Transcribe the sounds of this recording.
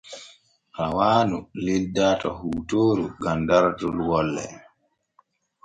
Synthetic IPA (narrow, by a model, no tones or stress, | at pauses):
ʔawaːnulildatɔhuːtoːɾuɡandaɾtulwɔlːɛ̰